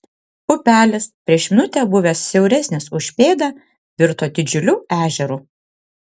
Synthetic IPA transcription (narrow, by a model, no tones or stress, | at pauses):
pʊpʲæːlʲɛspʲɾʲiɛʃmʲɪnʊt̪ʲɛbʊʋʲɛːssʲɛʊɾʲɛsʲnʲɪsʊʃʲpʲeːd̪ɑ | ʋʲɪɾt̪oːd̪ʲɪd͡ʒʲʊlʲuːæːʒʲɛɾuː